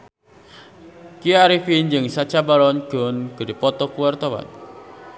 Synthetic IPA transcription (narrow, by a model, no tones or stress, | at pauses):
kiaɾifind͡ʒɨŋsat͡ʃabalɔnɡ̥ɔnɡ̥ə̤dipɔt̪ɔkuwɛrt̪ɔwa̰n